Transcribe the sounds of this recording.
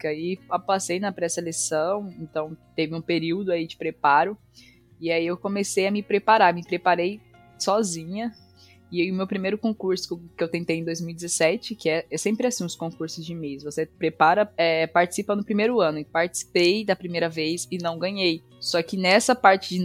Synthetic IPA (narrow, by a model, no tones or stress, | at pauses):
kaiapasejnɐpɾɛselesɐ̃w̃ẽnt̪ɐ̃w̃t̪evɪũpeɾiwd̪ʊaid͡ʒɪpɾepaɾʊ | ɪaiewkõmesejɐmɪpɾepaɾamɪpɾepaɾej | sɔzĩɲɐ | ɪʊmewpɾimejɾʊkõkuɾsʊ̥kɪewt̪ẽnt̪ejẽd̪ojzmiwijd͡ʒ̪ɪzesɛt͡ʃɪkɪɛɛsẽmpɾɪasĩũskõkuɾsʊzd͡ʒɪmejsvosepɾepaɾɐɛpaɾt͡ʃɪ̥sipɐnʊpɾimejɾʊɐ̃nʊpaɾt͡ʃɪ̥si̥pejd̪ɐpɾimejɾɐvesɪnɐ̃w̃ɡɐ̃ɲej | sɔkɪnɛsɐpaɾt͡ʃɪd͡ʒɪ